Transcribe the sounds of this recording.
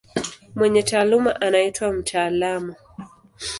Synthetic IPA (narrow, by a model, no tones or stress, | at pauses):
mwɛɲɛtaːlumaʔanaitwam̩tʰaːlamɔ